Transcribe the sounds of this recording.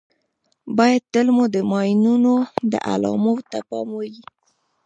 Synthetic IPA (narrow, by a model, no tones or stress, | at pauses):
bɑjad̪̚t̪əlmud̪əmɑjnunod̪ə̰ʔa̰lɑ̰mowt̪apɑmwəwi